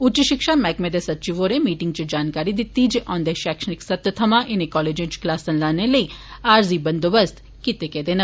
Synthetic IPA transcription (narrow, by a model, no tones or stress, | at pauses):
ʊt͡ʃəʃɪkʃamɛːkmed̪esɐtːt͡ʃiʋoɾemiːʈɪŋɡ̚t͡ʃid͡ʒaːnkaːɾid̪it̪ːid͡ʒʔɔ̃ːnd̪eʃɛːkʃənɪksɐt̪jət̪ʰɐmaʔenekɔːled͡ʒẽnt͡ʃklaːsɐnlaneləiaːɾzibɐnd̪obəst̪ | kit̪eked̪enɐ